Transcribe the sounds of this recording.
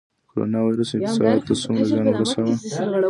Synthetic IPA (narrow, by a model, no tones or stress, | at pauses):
koɾo̰nɑwajɾusɪkt̪ɪ̥sɑat̪ːasumɾazɑnɡɾasawa